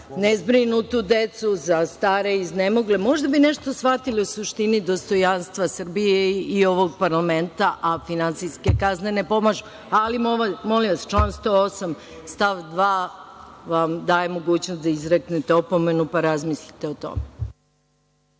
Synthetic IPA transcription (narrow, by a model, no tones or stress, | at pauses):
nezbɾinut̪ud̪e̞t̪suzast̪aːɾe̞izne̞moɡlemo̞ʒd̪abine̞ʃt̪o̞sfat̪iliosuʃt̪inid̪o̞st̪o̞janst̪ʋasr̩bijeio̞ʋo̞ɡ̚paɾlame̞nt̪aʔafinant̪siske̞kazne̞ne̞po̞maʒu | alimoamo̞liʋast͡ʃlˠaːnst̪o̞osam | st̪aʋd̪ʋaː | ʋamd̪aːje̞mo̞ɡuːt͡ɕnost̪d̪aizɾeknet̪eo̞po̞me̞nupaɾazmislit̪eo̞t̪o̰me